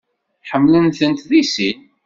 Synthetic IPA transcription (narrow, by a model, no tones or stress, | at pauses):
ħəmːlənθənt̪ðisin